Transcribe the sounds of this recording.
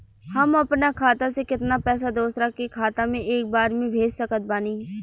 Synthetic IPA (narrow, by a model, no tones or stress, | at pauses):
həməpnakʰaːt̪asekɪt̪napɛːsad̪oːsɾakekʰaːt̪amẽʔeːk̚baːɾmẽbʱeːd͡ʒsəkət̪̚baːniː